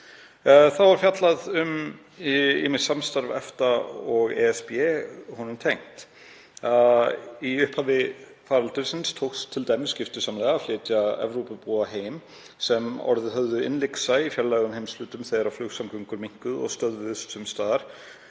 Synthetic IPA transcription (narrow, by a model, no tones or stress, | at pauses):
θaðvaɾ̥fjat̪laðʏm | ɪ̰mɪsamst̪aɾvɛ̰ft̪aɔɣɛɛspjɛhɔnʏmt̪ʰejŋ̥t̪ | iʏhphaːvɪ | faːɾalt̪ʏɾ̥sɪnst̪ʰowkst̪ʰɪlt̪ajmɪscɪft̪ʏsaːmlɛːɣaflɪːt̪jaɛ̰vɾowpʏpuːaɦeːjm | sɛmɔ̰ɾðɪɦœvðʏɪ̰nlɪksaifjɛllɛːɣʏmhejmslʏːt̪ʏmθejðaɾawflʏɣsamkʏŋkʏɾmiŋ̥kʏðɔ̰ɣst̪œðvʏðʏst̪ʏmst̪aːðaɾ̥